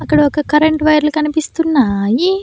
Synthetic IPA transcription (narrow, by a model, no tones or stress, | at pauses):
ɐkːɐɽɐokɐkɐɾeɳʈʋɐjɐɾlukɐnipist̪unːaːji